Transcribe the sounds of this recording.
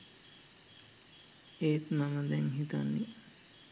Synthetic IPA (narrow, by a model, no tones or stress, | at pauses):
eːt̪maməd̪ɛŋɦit̪a̰nːi